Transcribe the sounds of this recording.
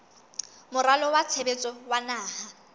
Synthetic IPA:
mʊralɔwat͡sʰebet͡sʼɔwanaːha

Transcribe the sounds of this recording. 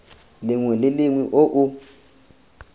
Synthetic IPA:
lɪŋwɛlɪlɪŋwiʔoʔu

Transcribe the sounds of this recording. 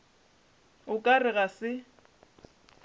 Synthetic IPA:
ʊkʼarɪɣasɪ

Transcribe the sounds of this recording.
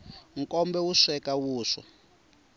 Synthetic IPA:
ŋkʼɔmbɛwuʂɛkawuːʂɔ̰

